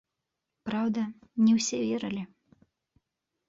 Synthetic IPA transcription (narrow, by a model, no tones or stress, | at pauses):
pɾawd̪ɐnʲɛwsʲɛvʲɛɾɨlʲi